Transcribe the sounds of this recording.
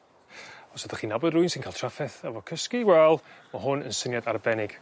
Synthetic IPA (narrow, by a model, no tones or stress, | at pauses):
ɔsɛdəχiːnabɔdrʊɨnsɪnkʰaːlˠtʰrafɛθavɔkʰəskiwɛlˠmaɦʊnənsənjadarbɛnɪɡ̥